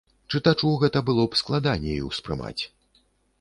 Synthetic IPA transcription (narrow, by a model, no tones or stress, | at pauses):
t͡ʂɨt̪at͡ʂuɣɛt̪ɐbɨlˠɔpsklˠad̪anʲːɛjḭwspɾɨ̰ma̰t͡sʲ